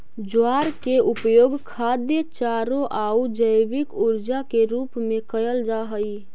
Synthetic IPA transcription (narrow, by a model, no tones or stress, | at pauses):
d͡ʒaːɾkeʊpjoːɡkʰad̪jət͡ʃaːɾõʔaːud͡ʒəɪbɪkuɾd͡ʒakeɾuːpmẽkəjəld͡ʒaɦəi